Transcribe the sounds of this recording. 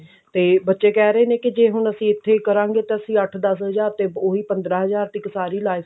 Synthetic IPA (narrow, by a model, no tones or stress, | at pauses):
t̪eːbətːʃeːkɛːɾəeːnẽːkɪd͡ʒeːɦʊɳəsĩːɪt̪ʰːeːkəɾãːŋɡeːt̪eəsĩːəʈʰd̪əs̬ɦəzaːɾt̪eːoːiːpənd̪ɾaːɦəzaːɾt̪ɪksaːɾiːlaːi